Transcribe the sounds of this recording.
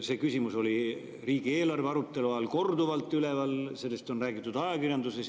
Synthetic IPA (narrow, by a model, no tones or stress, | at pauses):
se̞ːkysʲimuso̞li | riːɡ̥ie̞ːlɑrve̞ɑɾut̪ˑːe̞luɑɑlko̞rd̪uvɑlt̪ːˑyle̞vɑlse̞lːest̪o̞nræːɡ̥it̪ːˑud̪ɑjɑkirjɑnd̪uses